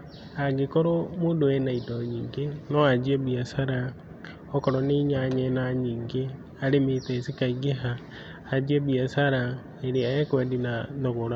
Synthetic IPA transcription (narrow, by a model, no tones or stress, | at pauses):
aɡekoɾomuːndoɛnaidoɲiːŋɡenoad͡ʒiebiasaɾa | ɔkoɾoniɲaɲɛnaɲiːŋɡe | aɾemitesikaiɡeɦaː | d͡ʒieβiasaɾa | eɾeajekwedinaðoɣoɾa